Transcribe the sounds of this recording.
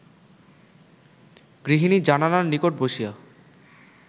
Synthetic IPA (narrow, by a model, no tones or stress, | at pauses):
ɡ̥ɾiɦinid͡ʑananaɾnikoʈ̚boʃia